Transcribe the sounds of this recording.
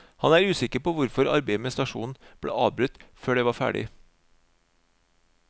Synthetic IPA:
hɑnæːɾʉːsɪkəɾpoːʋʊɾfɔɾɑ̰ɾbæɪmɛst̪ɑʂṵːnn̩b̥ɽḛːʔɑ̰ːʋbɾʉt̪ːføːɖɛːʋɑːɾfæ̰ːɖɪ̰

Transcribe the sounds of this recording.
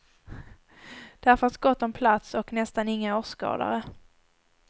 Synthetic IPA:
d̪̥æɾfœɾat̪ɡɔt̪ːɔmpʰlat̪sɔknɛst̪anɪŋːaoːʂkɑ̰ːd̪a̰ɾə

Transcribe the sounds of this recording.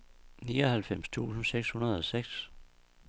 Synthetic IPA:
niːɒhælfem̰st͡sʰṵːsn̩seɡ̥shunɐð̞ˠɒ̽seɡ̥s

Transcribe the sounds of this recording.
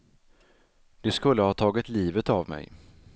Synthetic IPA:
d̪̥ɛskɵlːəhɑːt̪ʰɑːɡɪt̪liːvət̪avmɛ̰j

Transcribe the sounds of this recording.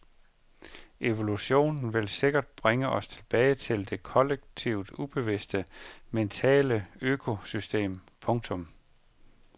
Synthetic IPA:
ʔe̝ʋoluɕo̝̰ːnn̩ʋe̝lse̝ɡ̥ɐd̥̚b̥ʁeŋəʔɒ̽st͡sʰe̝lb̥ɛːɪt͡sʰe̝ld̥e̝kʰɒ̽leɡ̥̚t͡sʰiʊd̥ub̥e̝ʋesd̥əment͡sʰɛ̰ːləøːkʰo̝sysd̥e̝̰ːmpʰɔ̽ŋt͡sʰɔ̽m

